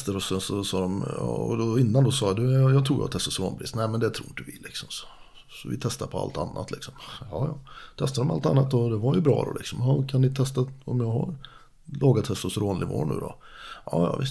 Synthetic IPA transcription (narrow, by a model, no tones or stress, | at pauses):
st̪əɾɔsɛnsɔsɑːd̪ɔmɑɔd̪ɔɪnːand̪ɔsɑːd̪ɵjɑːt̪ʰɾuːjɑ̰t̪ɛst̪əsɾoːnpʰɾiːst̪næɪmɛnd̪ɛt̪ʰɾuːnt̪ɵvɪlːɪksɔmsɔ̥ | sɔvɪt̪ʰɛst̪aɾpʰɔa̰lt̪a̰nːat̪ʰlɪksɔmjɑːjɑːt̪ʰɛst̪ad̪ɔmpa̰lt̪a̰nːat̪ɔd̪ɛvaɾjɵbɾɑ̰ːd̪ɔ̰lɪksɔmɑkʰanːɪt̪ʰɛst̪aɔmjɑːɡɦa̰ɾ | lɑːɡat̪hɛst̪ɔsɾoːnlɪvo̰ːɳʉ̟ːd̪ɔʔɑːjɑ̰ːvɪst̪